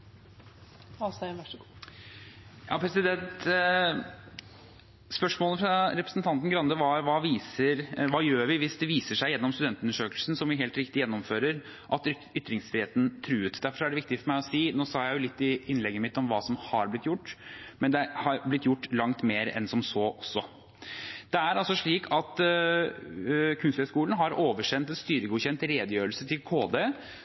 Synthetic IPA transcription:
ɑs | jɑ̰ːpʰɾɛsɪd̪ɛnt̪ | spœʂmoːləfɾɑɾɛpɾəsnt̪ʰɑnt̪n̩ɡɾɑnd̪əʋɑʋɑːʋiːsəɾʋɑːjøːɾʋɪʋɪsd̪ɛʋiːsəʂæɪjɛnːɔmst̪ʉd̪ɛnt̪ʉnːəʂøːkəlsn̩sɔmʋɪɦeːlt̪ɾɪkt̪ɪjɛnːɔmføːɾəɾ | ʔɑt̪ | ʏt̪ːɾɪŋsfɾɪheːt̪n̩t̪ʰɾʉːʉːt̪d̪æɾfɔɾæɖɛʋɪk̚t̪ɪfɔɾmæɪɔsiːnoːsɑːjæɪjʊlɪt̪ːɪɪnlɛɡːəmɪt̪ːɔmʋɑːsɔmhɑɾblɪt̪ːjʊʈːmɛnd̪ɛhɑɾblɪt̪ːjʊʈːlɑŋt̪meːɾɛ̰nsɔmsoːʔɔsːɔ | d̪̥ɛæɾɑlsɔʂɭiːkʰɑt̪ | kʰʉnst̪əskuːln̩ɦɑɾoːʋəʂɛnt̪ɛnst̪yːɾəɡuːçɛnt̪ɾeːd̪əjøːɾəlsət̪ʰɪlkʰoːd̪e

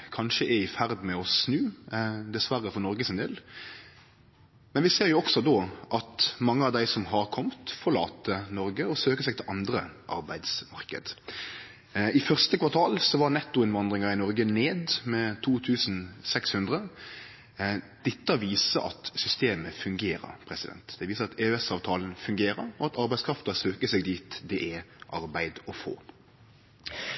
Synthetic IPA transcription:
kʰɑnʃəʔɛɪfæɾd̪mɛɔsnʉːd̪ɛsʋæɾəfɔnɔɾɡəsɪnd̪ɪl | mɛnʋɪseːɾjʊɔksɔd̪oʔɑt̪mɑŋːəɑʋd̪æɪsɔmɦɑɾkʰɔmt̪fɔʁɭɑ̰ːt̪ʰːənɔɾɡəɔsøːkəsɛɪɡt̪ʰɪlʔɑnd̪ɾəʔɑ̰ɾbæɪd̪smɑʁkə̰d̪ | ɪfœʁst̪əkʋɑt̪ʰɑːlsɔʋɑɾnɛt̪ːʊɪnʋɑnd̪ʁɪŋɑɪnɔɾɡəneːd̪mɛt̪ʰuːt̪ʰʉːsn̩sɛkshʉnd̪ʁə | d̪̥ɪt̪ːəɔʋiːsəʔɑ̰t̪sʏst̪eːməfʉŋɡeːɾə̰ɾpʰɾɛsɪd̪ɛ̰nt̪d̪ɛʋiːsəɑt̪eːʉɛsɑːʋt̪ʰɑːln̩fʉŋɡeːɾəɾɔɑt̪ɑɾbæɪskɾɑft̪əsøːkəsɛɡd̪iːt̪d̪ɛʔɛʔɑɾbæɪd̪ɔfo̰ː

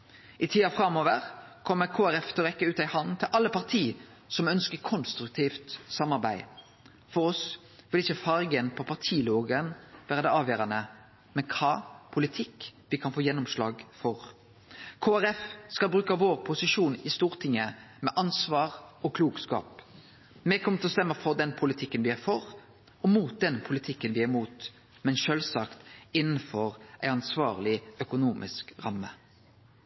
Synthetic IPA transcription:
ʔɪt̪ʰiːɑfɾɑmoːʋəʁkʰɔmːəʁkʰoːæɾɛft̪ʰɪlɔʁɛkːəʉːt̪æɪhɑnt̪ʰɪlʔɑlːəpʰɑʁt̪ʰiː | sɔmœnskəɾkʰɔnst̪ɾʉk̚t̪ʰiːft̪sɑmɑʁbæɪ | fɔɾɔs | ʋɪlɪçəfɑɾɡənpʰɔpʰɑʁt̪ʰiːloːɡənʋæːʁəd̪ɛɑːʋjøːɾɑnə | mɛnkʰɑːpʰʊlɪt̪ʰɪkʋɪkʰɑnfoːjɛnːʊmslɑ̰ːɡfɔʁ | kʰoːæɾɛfskɑlbɾʉːkəʋoːʁpʰʊsɪʂuːnɪst̪uːʁt̪ʰɪŋːəmɛʔɑnsʋɑːʁɔkʰluːɡskɑ̰ːp | mɛkʰɔmːət̪ʰlɔst̪ɛmːəfɔʁd̪ɛnpʰʊlɪt̪ʰɪkːənʋɪæɾfɔʁ | ɔmuːt̪̚d̪ɛnpʰʊlɪt̪ʰɪkːənʋɪæɾmuːt̪ | mɛnʃøːlsɑkt̪ɪnːən̩fɔʁʔæɪɑnsʋɑ̰ːʁlɪœkʊnuːmʔɪ̰skʁɑmːə

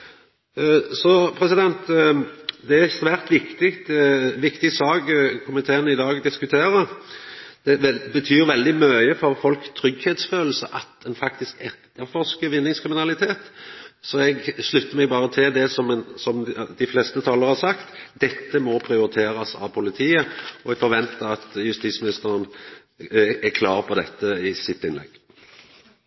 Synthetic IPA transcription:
sɔpʰɾɛsɪd̪ɛnt̪ | d̪ɛæɛsʋæːʁt̪ʋɪkt̪ɪkt̪ʋɪkt̪ɪsɑːɡkʰʊmɪt̪ʰeːənəɪd̪ɑːɡd̪ɪskʉt̪ʰeːɾəɾ | d̪̥ɛbət̪ʰyːɾʋɛld̪ɪmœʏəfɔɾfɔlkt̪ʰɾʏɡhɛːt̪sføːll̩səʔɑt̪ɛnfɑkt̪ɪskɛt̪əɾfɔʁʂkəʋɪnːɪŋskʰɾɪmɪnɑlɪt̪ʰeːt̪sɔɛɡslʉt̪ːəɾmɛɡ̚bɑːɾət̪ʰɪld̪ɛsɔmnsɔmd̪ɪfleːst̪ət̪ʰɑːləɾhɑʁsɑkt̪d̪ɛt̪ːəmɔpʰɾɪʊɾɪt̪ʰeːɾɑsɑ̰ʋpʰʊlɪt̪ʰiːəɔɛɡfɔɾʋɛnt̪əɾɑt̪jʉst̪it̪smɪnɪst̪əɾən | ækʰlɑːʁpʰɔd̪ɛt̪ːəɪsɪt̪ːɪnlɛ̰ɡ̥ː

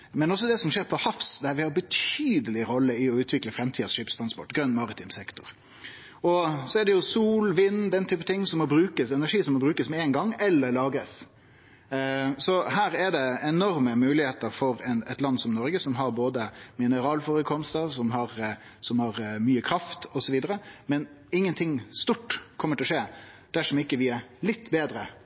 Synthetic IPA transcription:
mɛnɔs̬ːɔd̪ɛsɔmʂeːɾpʰɔhɑfsd̪æɾʋɪhɑɾbət̪ʰyːd̪əlɪɾɔlːəɪɔʉːt̪ʰʋɪkləfɾɛmt̪ʰiːd̪sʂiːpst̪ʰɾɑnspɔʈːɡɾœnːmɑɾɪt̪ʰɪmsɛkt̪ʊɾ | ɔsɔɛɖ̪ɛjʊsuːlʋɪnːd̪ɛnːət̪ʰyːpət̪ʰɪŋːsɔmːɔbɾʉːkəsɛnæʂiːsɔmːɔbɾʉːkəsmɛɛŋɡɑŋːɛlːəɾlɑːɡɾəs | sɔhæːɾɛɖ̪ɛɛnɔɾməmʉːlɪheːt̪əɾfɔɾɛnɛt̪lɑnsɔmnɔɾɡəsɔmɦɑɾboːd̪əmɪnəɾɑːlfɔɾəkʰɔmst̪əɾsɔmɦɑɾ | sɔmhɑɾmyːəkʰɾɑft̪ɔsɔʋiːd̪əɾəmɛn | ɪŋːənt̪ʰɪŋːst̪uʈːkʰɔmːəʈʰɪlɔʂeːd̪̥æʂɔmɪkːəʋɪɛɾlɪt̪ːbeːd̪ɾə

